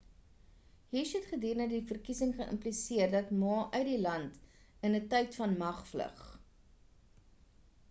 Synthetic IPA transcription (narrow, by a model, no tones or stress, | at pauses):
ɦiːʃɦɛtχədiːrnədifərkisəŋχəʔə̰mplisiərdɐtmɑːʔœɥdilɐnt | ənətɛjtfɐnmɐχflə̰χ